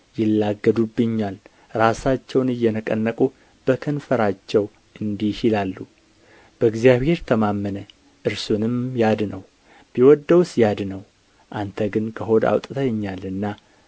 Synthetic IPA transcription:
jɪlːaɡːəd̪ubːɨɲːal | ɾasat͡ʃːɛwnɨjːɛnəkʼə̰nːəkʼu | b̥əkʰənfəɾat͡ʃːɛw | ʔɨnd̪ihilalːu | b̥əɡzijaβhe̞ɾt̪ʰəmamːənə | ʔɨɾsunɨmjad̪nəw | b̥iwɔd̪ːəwsjad̪nəw | ʔant̪ʰəɡɨnkʰəɦo̞d̪a̰wt̪ʼt̪ʰəjɲːalɨnːa

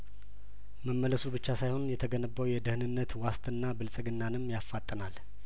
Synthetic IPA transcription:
məmːələsubɨt͡ʃːasajho̞njɛt̪ʰəɡənəbːəwjɛd̪əhɨnɨnːət̪wast̪ʰʼɨnːabɨlsʼɨɡɨnːanɨmːjafːat̪ʼːənal

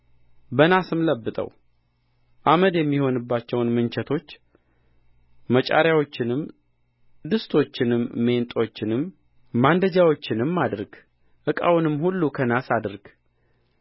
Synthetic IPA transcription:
bənasɨmləbːɨt̪ʼə̰w | ʔaməd̪jɛmːiho̞nɨbːat͡ʃːɛwnmɨnt͡ʃʰɛt̪ʰo̞t͡ʃː | mət͡ʃʼa̰ɾjawo̞t͡ʃːɪnɨm | d̪ɨst̪ʰo̞t͡ʃːɪnɨmːe̞nt̪ʼo̞t͡ʃːɪnɨmː | and̪əd͡ʒawo̞t͡ʃːɪnɨmːad̪ɾɡ̥ | ʔɨkʼa̰wnɨmːhulːukʰənasad̪ɾɡ̥

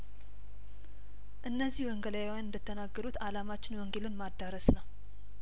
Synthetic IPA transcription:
ʔɨnːəzːihwɔŋɡələjwanɨnd̪ɨt̪ʰːənaɡːəɾut̪alamat͡ʃːɪnwɔŋɡelɨnmad̪ːaɾəsnəw

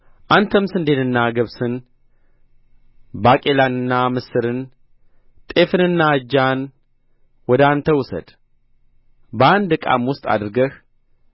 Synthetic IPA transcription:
ʔant̪ʰəmsɨnd̪e̞nɨnːaɡəβsɨn | bakʼe̞lanɨnːamɨsɨɾɨn | t̪ʼe̞fɨnɨnːad͡ʒːan | wɔd̪ant̪ʰəwʊsə̰d̪ | bəand̪ɨkʼa̰mwʊst̪ʼa̰d̪ɾɡəh

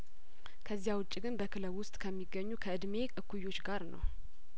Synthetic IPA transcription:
kʰəzːijawʊt͡ʃʼːiɡɨnbəkʰɨləwːʊst̪ʼkʰəmːiɡːəɲːukʰəɨd̪me̞kʼɨkʰːujːo̞t͡ʃːɡaɾnə̰w

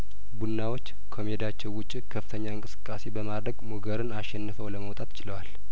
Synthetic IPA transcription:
bunːawo̞t͡ʃː | kʰomed̪at͡ʃːɛwːʊt͡ʃʼːikʰəfɨt̪ʰəɲːaɨŋkʼɨsɨ̥kʼːase̞bəmad̪ɾəɡmuɡəɾɨnaʃːɛnːɨfəwləməwt̪ʼat̪ɪ̥t͡ʃɪləwal

